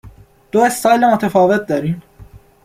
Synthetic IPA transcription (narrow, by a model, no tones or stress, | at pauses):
d̪̥oest̪ɑːjlemot̪ʰefɒːvet̪̚d̪ɒɾiːn